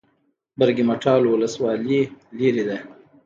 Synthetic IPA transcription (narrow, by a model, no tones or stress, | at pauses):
bəɾɡimaʈʰɑlowʊləswɑliliɾid̪a